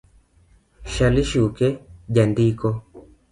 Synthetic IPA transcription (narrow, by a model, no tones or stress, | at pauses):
ʃaliʃukɛʄandikɔ